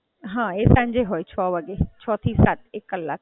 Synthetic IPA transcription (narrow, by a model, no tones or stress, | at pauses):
ɦãesãɲd͡ʒeɦoːjt͡ʃʰɔːʋaɡet͡ʃʰɔt̪ʰisaːt̪̚ʰekːəlːa̰ːk̚